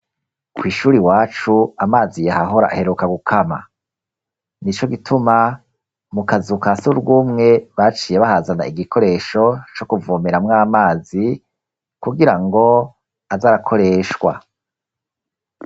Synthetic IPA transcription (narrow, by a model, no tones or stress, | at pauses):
kʰwiːʃuːɾiwaːt͡ʃuamaːzijehaɦo̞ɾa̰ʔa̰he̞ɾukaɡukʰama̰ | nit͡ʃo̞ɡitʰuma | mukazukasuuɾɡwuːmŋe̞βat͡ʃiːje̞βahazana̰iɡikʰo̞ɾe̞ʃo̞t͡ʃo̞kuvumeɾamŋaːmaːzi | kuɡiɾaŋɡo̞ | azaːɾakʰo̞ɾe̞ːʃwa̰